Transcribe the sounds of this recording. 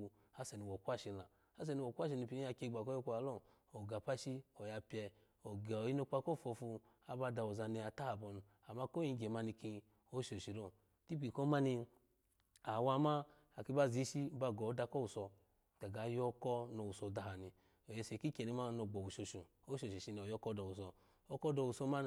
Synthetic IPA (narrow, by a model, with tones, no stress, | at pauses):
u˧ | a˦se˨ni˨wo˨kʷa˦˨ʃi˧la˨ | a˦s̬e˧˨ni˧wo˨kʷa˦ʃ̬i˧ni˧pi˧i˦ja˧kʲe˧ɡ͡ba˨ko˦jo˦kʷu˧˦a˨lo˦˨ | o˨ɡa˨pa˦ʃi˦o˨ja˧pʲɛ˧ | o˨ɡa˨o˨ji˦no˧k͡pa˧ko˦˨fo˧fu˧ | a˨ba˧da˧˨wu˨za˧ni˧a˨ta˦a˨bɔ˧n˨ | a˨ma˧ko˦ji˧˦ɡʲe˨ma˧ni˧ki˧ | o˦ʃo˨ʃi˨ɾo˦˨ | ti˦pi˨ko˦ma˦ni˧ | a˨wa˧ma˦ | a˨ki˧ba˧˨zi˨˧˦ʃi˦ba˧˨ɡɔ˨˦da˧kɔ˦wu˨sɔ˧ | ɡ̥a˨ɡa˨˦jɔ˦kɔ˦no˧˨u˨sɔ˧˨da˧ɦa˨ni˧ | o˨je˧˨se˨ki˦kʲe˨ni˧˦ma˦˧no˧˨ɡ͡bɔ˨u˨ʃo˧ʃu˨ | o˦ʃo˨i˨ʃi˧n˧˨o˨jɔ˧˦kɔ˦dɔ˨wu˨sɔ˧ | o˧kɔ˦dɔ˧˨wu˨sɔ˧˦ma˦˧